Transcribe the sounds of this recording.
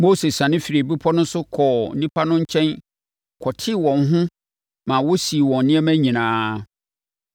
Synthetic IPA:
mo˦se˨sã˨nɪ̃˦fi˨ɾi˨bi˦pʰɔ˦nʊ̃˦n˦sʊ˦kʰɔ˨nĩ˦pʰa˦nʊ̃˦ɲ̩˦t͡ɕʰɛ̃˦n | kʰɔ˨tʰɪ˦wɔ̃˨n˦ɦʊ̃˦ | mã˨wʊ˦si˨wɔ̃˨n˦nɪ̃˦ɛ˦mæ̃˦ɲĩ˨nãː˨˦

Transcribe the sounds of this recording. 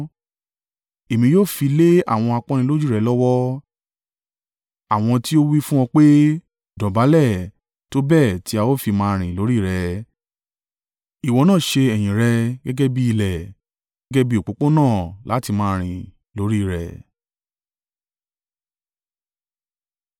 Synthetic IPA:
e˨mĩ˧joː˦˨fi˧le˦a̰˦˨w̃ɔ̃˧a˧k͡pɔ̃˦ñĩ˧lo˦d͡ʒu˦˨ɾɛ˧lɔ˦wɔ˦ | a˦˨w̃ɔ̃˧ti˦o˦wi˦fũ˦w̃ɔ̃˧k͡pe˦ | dɔ˨ba˨˦lɛ˦˨ | to˦bɛ˦˨ti˦a˧wo˦fi˧mãː˧˦˧ɾ̃ĩ˨lo˨˦ɾi˦˨ɾɛ˧ | i˨wɔ̃˨˧nãː˦˨ʃe˧ɛ˨j̃ĩ˨ɾɛ˧ɡɛ˦ɡɛ˦bi˧i˧lɛ˨ | ɡɛ˦ɡɛ˦bi˦o˨k͡po˨˦k͡po˦nãː˦˨la˨˦ti˧mãː˧˦˧ɾ̃ĩ˨ | lo˨˦ɾi˦˨ɾɛ̰˨

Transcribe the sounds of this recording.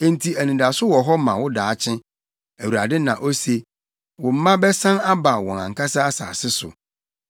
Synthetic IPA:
ẽ˦n˨tʰi˨æ˨nĩ˨da˨sʊ˦wɔ˨ɦɔ˦mã̰˨wʊ˦daː˨˦t͡ɕʰɪ̃˦ | æ˨wu˨ɾa˨dɪ˦nã̰˨ʔo˦se˨ | wʊ̃˨m̩˦mã˦bɛ˦sã˦na˦ba˨wɔ̃˨ã̰˨ŋ̩˨ka˦sa˦a˦sa̰ː˨sɪ˦sʊ̰˨

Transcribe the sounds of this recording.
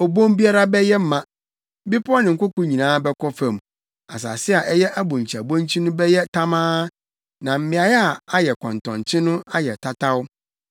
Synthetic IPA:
o˨bõ˦mbi˦a˦ɾa˦bɛ˦jɛ˦m̩˦mã˨˦ | bi˦pʰʊ˦ɔ˦nɪ̃˨ŋ̩˨kʊ˦kʊ˦ɲĩ˨nãː˦bɛ˦kʰɔ˦fã˨m | a̰˨s̬a̰ː˨sɪ˦a˨ʔɛ˦jɛ˦ʔa˦bʊ̃˨ɲ̩˨t͡ɕʰa˨bõ˦nt͡ɕʰi˦nʊ̃˦bɛ˦jɛ˦tʰa˦mãː˦ | nã˨m̩˦mɪ̃˨a˨jɛ˦a˨a˦jɛ˨kʰɔ̰̃˨n˨tʰɔ̰̃˨n˨t͡ɕʰɪ˦nʊ̃˦a˦jɛ˨tʰa˦tʰa˦wʊ˦

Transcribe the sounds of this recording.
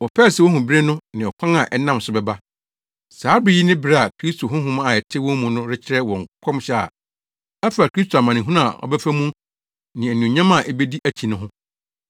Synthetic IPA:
wɔ˨pʰɛː˦˨sɛ˨wɔ˦ɦũ˨bi˦ɾe˦nʊ̃˦nɪ̃˨ɔ˨kʷʰã˦ŋa˨ʔɛ˦nã˦˨m˨sʊ˨bɛ˨ba˦ | saː˨˦bɪ˨ji˦nɪ̃˦bɪ˦ɾɛ˦a˨kʰɾi˦stʰo˨ɦʊ̃˦ɦʊ̃˦m˦a˨ɛ˨tʰɪ˦wɔ̃˦mũ˨nʊ̃˦ɾɪ˦t͡ɕʰɪ˦ɾɛ˦wɔ̃˨ŋ˨kʰɔ̃˦mɕɛ˦a̰˨ | æ˦fa˨kɾi˦stʰo˨a˨mã˨nɪ̃˨ɦũ˦ñ˦a˨ɔ̰˨bɛ˦fæ˦mũ˦ | nɪ̃˨æ˨nũ˨ɲã˦mã˦˨ʔɛ˦be˦di˦ʔæ˨t͡ɕʰĩ˨nʊ̃˦ɦʊ̃˦

